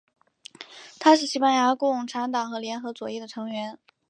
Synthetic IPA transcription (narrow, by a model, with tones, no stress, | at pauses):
t̪ʰa˥ʂɻ̩˥˩ɕi˥pa˥˩nja˧˥kʊ˥ʊ˨˩ŋʈ͡ʂʰa˧˥nt̪ɑ˨˩ŋxɤ˧˥ljɛ˧˥nxɤ˧˥t͡swɔ˨˩jɛ˥˩d̪ə˩ʈ͡ʂʰɤ˧˥ŋɥɛ˧˥n